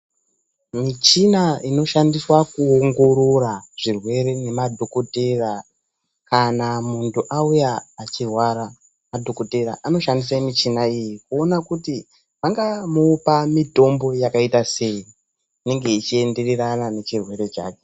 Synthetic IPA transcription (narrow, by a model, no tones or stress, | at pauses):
mit͡ʃinaino̞ʃandiswakuoŋɡo̞ɾoraʐ̥irwe̞ɾe̞ne̞madʱo̞ko̞tera | kanamuntuʔaujaːt͡ʃirwaɾa | madʱo̞ko̞te̞ɾa̰ʔano̞ʃandis̬amit͡ʃinaijikuo̞nakuti | paŋɡamoːpamito̞mbo̞jakaitase̞i | ine̞ŋɡe̞it͡ʃie̞nde̞reranane̞t͡ʃirwe̞ɾe̞t͡ʃa̰ːke